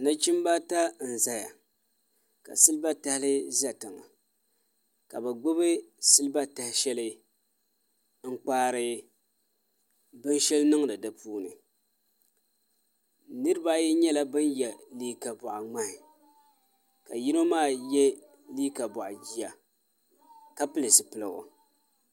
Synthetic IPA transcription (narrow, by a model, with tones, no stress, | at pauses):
nɨ˦t͡ʃɪ˦m˦ba˦ta˦n̩˨za˦ja̰˨ | ka̰˨sɨ˦lɨ˦ba˦ta˦hlɨ˦za˨tɨ˨ŋa̰˨ | ka̰˨ba˨ɡ͡bʊ˦bɨ˦sɨ˦lɨ˦ba˦ta˨hɪ˦ʃɛ˦lɨ˦ | ŋ̩˦k͡paː˦ɾɨ˦ | bɨ˦nʃɛ˦lnɨ˦ŋnɨ˨dɨ˨pʰuː˦nɨ̰˨ | nɨ˦ɾɨ˦ba˦ji˦ɲɛ˦la˦bɨ˦njɛ˨liː˦ka˨bʊ˨ʔa˨ŋ͡ma˦hɪ˨ | ka̰˨ji˦no˦maː˦˨jɛ˦ | liː˦ka˨bʊ˨ʔa̰˨d͡ʒi˦ja˨ | ka˦pɨ˦lɨ˨sɨ˨pɨ˨lɨ˨ɣo̰˨